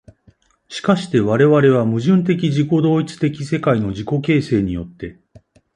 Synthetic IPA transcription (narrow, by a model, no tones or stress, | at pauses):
ɕi̥kaɕi̥t̪e̞βaɾe̞βaɾe̞β̞amɯ̟ʑɨ̃nt̪̬e̞k̬ʲiʑiko̞d̪o̞ːit͡sɨ̥t̪e̞kʲise̞kaino̞ʑiko̞ke̞ːse̞ːɲ̟ijo̞t̪ːe̞